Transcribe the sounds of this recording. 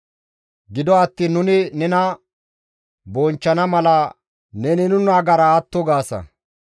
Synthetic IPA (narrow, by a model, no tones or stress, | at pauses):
ɡɪd̪ɔɐt̪ːiːnːʊnɪnɛnɐ | bɔnt͡ʃːɐnɐmɐlɐ | nɛnɪnʊnʊaɡɐɾɐːt̪ːɔɡaːsɐ̰